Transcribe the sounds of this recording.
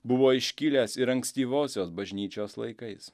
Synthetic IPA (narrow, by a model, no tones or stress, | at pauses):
bʊʋoːɪʃʲkʲɪlʲeːsɪɾɐŋksʲt̪ʲiːʋoːsʲoːsbɐʒʲnʲiːt͡ʃʲoːslˠɐ̰ɪkɐɪs